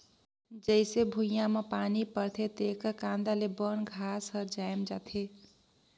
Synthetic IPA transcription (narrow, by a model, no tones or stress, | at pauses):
d͡ʒəɪsebʱujamepanipəɾt̪ʰet̪ekəkãnd̪alebənɡʱasəɾd͡ʒajmd͡ʒat̪ʰe